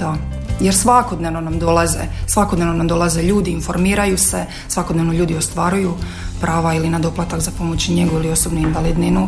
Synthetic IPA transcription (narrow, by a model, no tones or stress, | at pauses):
d̪a | jeɾsʋakod̪ne̞ʋno̞namd̪o̞lˠazḛsʋako̞d̪ne̞ʋno̞namd̪o̞lˠaze̞ʎuːd̪iːnfo̞ɾmiːɾajuse̞ | sʋako̞d̪ne̞ʋnoʎuːd̪io̞st̪ʋaɾuju | pɾʔaːʋailinad̪o̞plat̪akzapo̞mo̞t͡ɕɲe̞ɡuilio̞sobnuinʋalˠid̪ninu